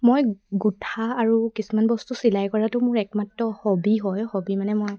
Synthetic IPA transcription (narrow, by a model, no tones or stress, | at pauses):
mojɡutʰaːɹukisumanbɔstusilajkɔɹatʊmʊɹɛkmatːɔhobiɦɔjxobimanɛmoj